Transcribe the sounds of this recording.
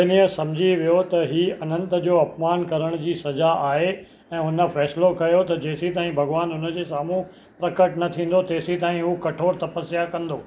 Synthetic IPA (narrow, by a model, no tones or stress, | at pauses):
ɪniəsɐmd͡ʑʱiʋijot̪ɐɦiːɐnə̃nt̪ə̆d͡ʑoːɐpmaːnkɐɾəɽ̃d͡ʑiːsɐzaaːɦe | ɛ̃ːʊnə̆fɛːslokɐjot̪ɐd͡ʑeːsit̪aːĩbʱɐɡʋaːnʊnə̆d͡ʑeːsaːmũ | pɾɐkəʈnɐt̪ʰĩːn̆d̪ot̪eːsit̪aːɦĩɦukɐʈʰoːɾt̪ɐpəsijakɐ̃nd̪oː